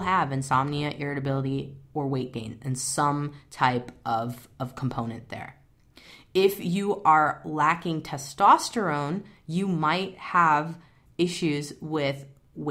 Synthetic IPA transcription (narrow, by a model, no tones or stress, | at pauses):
lˠəvɨ̃nsɑmniɨʔɪɹɨɾɨbɪlˠəɾiə˞weɪt̚ɡ̥ẽɪ̃nɨ̃nsʌ̃mtʰaɪpʔʌvʌv̥kʰm̩pʰõʊ̃nɨ̃nðə̰˞ | ɪfjɨʔə˞lækɪ̃ŋtʰɛstɑstə˞õʊ̃njɨmaɪt̚həv | ɪʃʉzwɪð | w